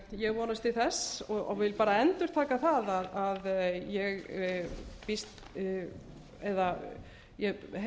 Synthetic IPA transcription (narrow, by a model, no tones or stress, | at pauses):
jɛɣvɔːnast̪ʰɪlθɛsɔɔ̰vɪlpaːɾaɛnt̪ʏɾ̥t̪ʰaːkaθaðaðaðjɛɣ | pist̪ | ɛða | jɛɦ